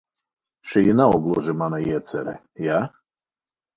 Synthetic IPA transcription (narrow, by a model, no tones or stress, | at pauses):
ʃɛjinaɔɡlˠɔʒɛmanajɛt̪t͡s̪ɛ̰ɾɛ̰ | ja